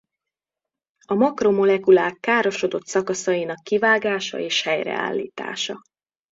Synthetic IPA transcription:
ɒmɒkro̞mo̞lɛkulaːkːaːɾo̞ʃo̞d̪o̞t̪sɒkɒsɒjinɒkːivaːɡaːʃɒ̰eːʃhɛjɾɛ̰a̰ːlːḭːt̪a̰ːʃɒ

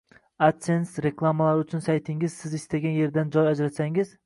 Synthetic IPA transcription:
at̪sensɾeklˠamalaɾʊt͡ʃʰʊnsajt̪ʰɪŋɪz̥sɪzɪst̪aɡʲanje̞ɾd̪and͡ʒɒjad͡ʒɾat̪saŋɪz

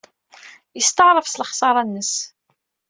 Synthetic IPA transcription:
jəst̪əʕɾˤəfsəlχsˤɑɾˤɑnːəs

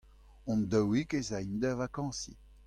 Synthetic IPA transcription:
ɔ̃nd̪əwikezaind̪əvakɑ̃sḭ

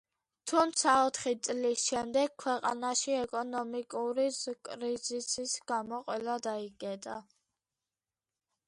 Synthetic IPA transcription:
t̪ʰumt̪sʰaɔt̪ʰχit̪sʼlisʃɛmd̪ɛɡ̥̚kʰwɛqʼa̰naʃiɛkʼɔnɔmikʼuɾizkʼɾizisisɡamɔqʼwɛlad̪aikʼɛt̪ʼa

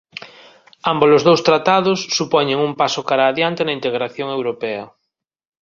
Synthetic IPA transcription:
ambolozðowst̪ɾat̪aðʊsːupɔɲeŋumpasokaɾaːðjant̪enɐint̪eɣ̞ɾaθjoŋewɾopɛɐ

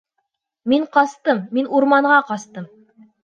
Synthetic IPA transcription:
miɴqɑst̪ɤmːinuɾmɑɴʁɑqɑst̪ɤm

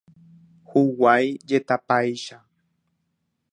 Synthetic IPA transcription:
huwajd͡ʒet̪apajʃa

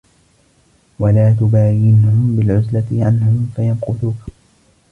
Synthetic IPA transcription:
walaːt̪̬ʊbaːjɪnʊhʊmbɪlʕʊzlat̪ɪʕa̰nːahʊmfajanqʊðuːk

